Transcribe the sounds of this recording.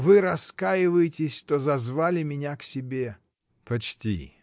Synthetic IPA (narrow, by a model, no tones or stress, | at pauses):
vɨɾɐskajɪvəjɪtʲɪsʲt̪ozɐzvalʲɪmʲɪnʲaksʲɪbʲe | pɐt͡ɕtʲḭ